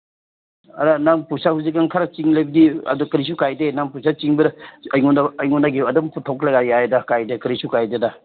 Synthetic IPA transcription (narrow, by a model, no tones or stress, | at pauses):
ɐɾanampusahuzik̬ːaŋkʰaɾat͡ʃiŋlajbɐdiɐ̰dukɐɾis̬ukajdenampusat͡ʃiŋbɐɾɐjŋɔnaɐjŋɔnaɡeɐdɐmpʰutʰawkʰlaɡajjajdɐkajdekɐɾisukajdedɐ